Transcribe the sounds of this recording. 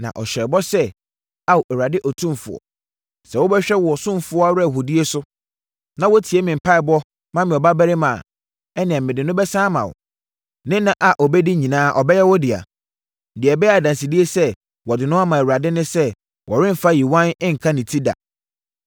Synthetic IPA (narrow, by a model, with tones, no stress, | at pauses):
nã̰˨ʔɔ̰˨ɕᶣɛ˨bɔ˦sɛ˦ | a˦wʔɛ˨wa˨dɪ˦ʔɔ˨tʰũ˦m˨fʊ̰˨ɔ̰˨ | sɛ˨wʊ˦bɛ˦ɕᶣɛ˦wɔ˨sʊ̃˦˨fʊ˦ɔ˦a˦wɾɛ˦˨ɦu˨di˦e˦sʊ˦ | nã˨wɔ˦tʰi˨e˦mɪ̃˨m̩˨pʰa˦ɪ˨bɔ˦ | mã˦mɪ̃˨ɔ˨ba˦bæ˦ɾɪ˦mã̰˨ | ɛ˦nɪ̃˨ɛ˨mɪ̃˨dɪ̃˨nʊ̃˦bɛ˦sãː˦mã̰˨wʊ̰˨ | nɪ̃˦nã˨ʔa˨ʔɔ˨bɛ˦di˦ɲĩ˨nãː˦ʔɔ˨bɛ˦jɛ˦wɔ˦dɪ˨a̰˨ | n̩˨dɪ˨ɛ˨bɛ˦a˨dã˨n˨si˨di˦e˦sɛ˦ | wɔ˨dɪ˨nʊ̃˦a˦mã˨ɛ˨ɾa˨dɪ˦nɪ̃˦sɛ˦ | wʔɔ˨ɾɪ̃˦m˨fa˦˨ji˨wã˦nɪ̃˦ŋ̩˨kʰã˦nɪ̃˨tʰi˦da̰˨